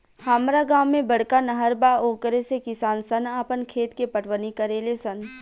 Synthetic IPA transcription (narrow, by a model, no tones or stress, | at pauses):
haːmɾaɡaːmːẽbɐɽkanɐɦəɾbaoːkəɾesekɪsaːnsɐnaːpənkʰeːt̪kepəʈʰʋənikəɾeːlesɐn